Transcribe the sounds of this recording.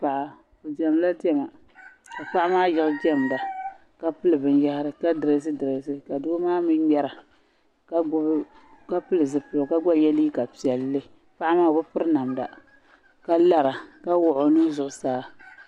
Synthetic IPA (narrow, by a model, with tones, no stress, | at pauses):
pa˨ʔa˨ | o˨dɛ˨m˨la˦dɛ˦ma˨ | ka˨pa˦ʔa˦maː˦jɪ˦ɣʊ˦d͡ʒɛ˦m˨da˨ | ka˦pɨ˦lɨ˨bɨ˨nja˦hɪ˦ɾɨ˨ka˦dɨ˨ɾe˦s̬ɨ˦dɨ˨ɾe˨˦sɨ˦ka˨dʊ˦ɡmaː˦mɨ˦ɡ͡bɛ˦ɾa˨ | ka˦ | ka˦pɨ˦lɨ˨zɨ˨pɨ˨lka˦ɡ͡ba˦˨jɛ˦li˦ka˨pi˨ɛ˨lːɨ˦ | pa˦ʔa˦maː˦˨bʊ˦pɨ˦ɾɨ˦na˨mda̰˨ | ka˦la˦ɾa˨ka˦wʊ˦˨ʔo˨nu˦zʊ˨ʔʊ˨saː˦